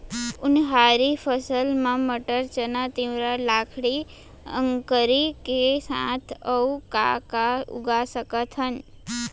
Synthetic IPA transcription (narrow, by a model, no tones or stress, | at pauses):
ʊnɦaɾifəsəlmãməʈəɾt͡ʃənat̪iʋɾalakʰɽi | ə̰ŋkəɾikesã̰t̪ʰəuka̰kaṵɡasəkət̪ʰən